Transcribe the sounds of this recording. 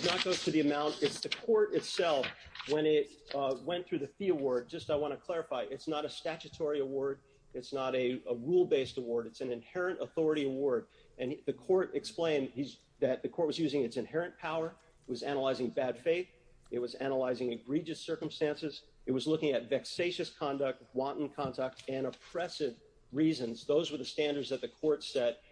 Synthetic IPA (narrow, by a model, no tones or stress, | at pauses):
znət̚ɡ̥oʊtʰɨðiɨmãʊ̃ntɨtsðɨkʰɔɹɾɨtsɛlˠfwə̃nɪt̚wɛ̃nθɹʉðɨθiəwɔɹd̚d͡ʒʌstaɪwɑ̃ɾ̃ɨkʰl̥ɛɹɨfaɪʔɨtsnəɾɨstæt͡ʃɨtʰɔɹiəwɔɹɾ | ɨtsnəɾɨəɹulˠbeɪstəwɔɹɾɨtsɨ̃n̩ɨ̃nhɛɹɨ̃ntəθɔɹɨɾiəwɔɹd | ɨ̃nðɨkʰɔɹɾɨksplẽɪ̃niz | ðɨt̪̚ðɨkʰɔɹt̚wʌzjʉzɪ̃ŋɨtsɨ̃nhɦɛɹɨ̃npʰaʊə˞ | ɪt̚wʌzænəlaɪzɪ̃ŋbæd̥feɪθ | ɨt̚wʌzænəlaɪzɪ̃ŋɨɡɹid͡ʒɨsɜ˞kə̃m̩stæ̃nsɨz | ɨt̚wʌzlʊkɪ̃ŋɨtvɛkseɪʃɨskʰɑ̃ndɨk̚t̚wɑ̃nʔn̩kʰɑ̃ntʰək̚tɨ̃ɾ̃əpʰɹ̥ɛsɪv | ɹizɨ̃nzðoʊzwə˞ðɨstæ̃ndə˞dzðɨt̪̚ðɨkʰɔɹtsɛd̥̚